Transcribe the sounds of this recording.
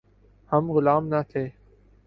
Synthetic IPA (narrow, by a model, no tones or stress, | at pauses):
həmɣʊlaːmnət̪ʰeː